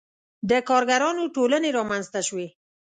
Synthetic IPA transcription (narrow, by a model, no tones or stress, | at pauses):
d̪əkɑɾɡaɾɑnoʈoləneɾɑmanzt̪aʃwe